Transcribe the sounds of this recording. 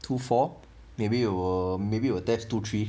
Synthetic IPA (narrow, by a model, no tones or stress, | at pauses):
tʰufɔ | mebiwəmebiwət̪ɛstut̪ʰɹi